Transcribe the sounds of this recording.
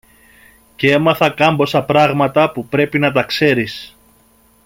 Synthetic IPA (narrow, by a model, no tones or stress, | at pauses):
cee̞mɐθɐkɐmbo̞sɐpɾɐɣmɐt̪ɐpupɾe̞pinɐt̪̬ɐkse̞ɾis